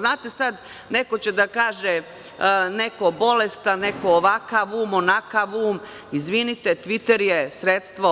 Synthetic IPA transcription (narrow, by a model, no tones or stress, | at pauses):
znaːt̪e̞sad̪ | ne̞ko̞t͡ɕe̞d̪akaːʒe | ne̞kobo̞lest̪ane̞koːʋakaʋuːmonakaʋuːm | izʋinit̪et̪ʋit̪eɾjesɾet̪st̪ʋo